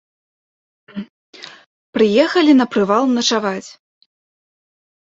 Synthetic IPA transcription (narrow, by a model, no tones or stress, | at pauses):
pɾɨjɛxɐlʲinɐpɾɨvalˠnɐt͡ʂavat͡sʲ